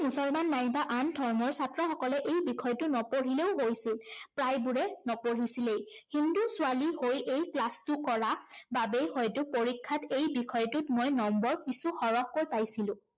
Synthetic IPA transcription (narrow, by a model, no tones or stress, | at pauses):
musɔlmanːajbaʔandʱɔɹmɔɹsatɹɔxɔkɔlɛʔejbikʰɔjtʊnɔpoɹileʊɦojsilpɹajbuɹɛnɔpoɹisilejhindusʊalihojejklastʊkɔɹababejhɔjtʊpoɹikʰːatejbikʰɔjtʊtmojnɔmbɔɹkisuxɔɹɔxkojpajsilʊ̃